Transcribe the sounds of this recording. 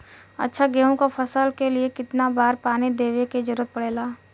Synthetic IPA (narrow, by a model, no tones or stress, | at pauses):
ɐ̰tːʃʰaɡeːɦõkapʰɐsəlkeliekɪt̪nabaːɾpaːnid̪eːʋeked͡ʒʊɾət̪̚pɐɽeːlaː